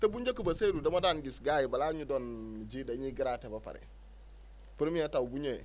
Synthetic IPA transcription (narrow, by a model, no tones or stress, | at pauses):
tabuɲd͡ʒekubasedudamadanɡisɡajibalaɲudond͡ʒidaɲiɡiɾatebapa̰ɾḛ | puɾmiatawbuɲe